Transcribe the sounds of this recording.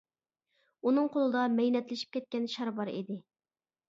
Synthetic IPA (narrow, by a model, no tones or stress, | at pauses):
unɨŋqʰolˠɨd̪ɑmɛjnɛt̪lɪʃi̥p̚kʲɛt̪̚kʲɛnʃɑɾbɑɾḭd̪ɪ